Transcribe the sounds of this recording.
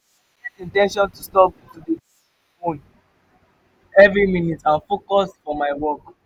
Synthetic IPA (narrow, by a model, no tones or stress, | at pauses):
ɡɛtĩntɛ̃nʃɔ̃ntustɔptude | õn | ɛvɾimĩnitãnfokɔsfɔmaɪwɔk